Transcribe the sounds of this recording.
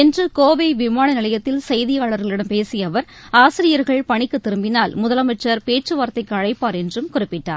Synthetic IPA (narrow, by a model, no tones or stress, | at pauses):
ɛndrɯkoːʋɐʋɪmaːnɐnɪlɐjɐt̪ːɪlsɐjðɪjaːɭɐɾɣɐɭɪɽɐmpeːsɪjɐʋɐɾ | aːsɪɾɪjɐɾɣɐɭpɐɳɪkːɯt̪ːɪɾɯmbɪnaːlmʊðɐlɐmɐʈrɐɾpeːʈt͡ʃɯʋaːɾt̪ɐɪkːɯɐɻɐɪpːaːɾɛndrɯmkʊrɪpːɪʈːa̰ːɾ